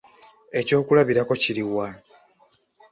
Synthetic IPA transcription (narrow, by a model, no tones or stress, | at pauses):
e̞co̞ːkulaβiɾako̞ciɾiwa